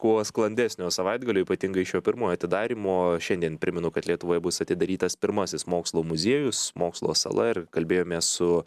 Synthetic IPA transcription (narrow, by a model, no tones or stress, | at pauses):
kuɔsklˠɐnʲd̪ʲæsʲnʲoːsɐʋɐɪd̪ɡɐlʲoːiːpɐt̪ʲɪŋɡɐɪʃjoːpʲɪɾmoːjoːɐt̪ʲɪd̪ɑːɾʲiːmoːʃʲɛnd̪ʲiɛnpʲɾʲɪmʲɛnʊkɐt̪lʲiɛt̪ʊʋoːjɛbʊsɐt̪ʲɪd̪ɐɾʲiːt̪ɐspʲɪɾmɐsʲɪsmoːkslˠoːmʊzʲiɛjʊsmoːkslˠoːsɐ̰lˠɐɪrkɐlʲbʲeːjoːmʲeːssʊ